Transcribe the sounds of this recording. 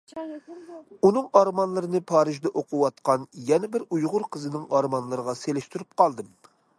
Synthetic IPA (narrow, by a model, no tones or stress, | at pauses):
unɨŋɑɾmɑnlˠɨɾɨnɨpʰɑːɾɨʒd̪ɛʔoqʰuwɑt̪qɑnjɛnɛbɪɾujʁʊɾqʰəzɨnɪŋɑɾmɑnlˠɨɾəʁɑselɪʃt̪yɾyp̚qɑlˠd̪ɨm